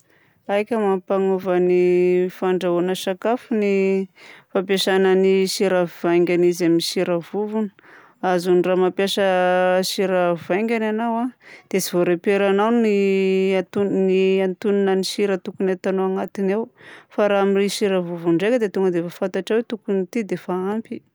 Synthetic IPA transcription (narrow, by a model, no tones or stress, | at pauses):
ajkʲəmampaŋuvənifaɳɖ͡ʐaonəʃakafuni | fapjaʃanəniʃiɾəv̥aŋɡʲanizaminiʃiɾəvuvunə̥ | azuniramapjaʃəʃiɾəvajŋɡʲananawad̪̥esivoɾepeɾanawniat̪uniant̪uninaniʃiɾət̪ukunat̪anoaŋat̪inawfaɾaamiriʃiɾəvuvuɳɖ͡ʐekəd̪et̪uŋɡəd̪efafant̪aʈ͡ʂawet̪ukunit̪id̪efaampi